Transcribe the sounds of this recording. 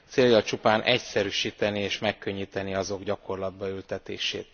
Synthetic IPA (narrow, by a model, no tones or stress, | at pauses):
t̪seːljɒlt͡ʃupaːnʔɛcsɛɾyːʃiːt̪ɛnieːʃmɛkːøɲːiːt̪ɛniɒzo̞ɡɟɒko̞rlɒd̪̚bɒylt̪ɛt̪ḛːʃḛːt̪